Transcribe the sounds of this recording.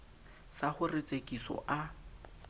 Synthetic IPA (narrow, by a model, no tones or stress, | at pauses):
saχʊret͡sʼekʼisɔ̰ʔa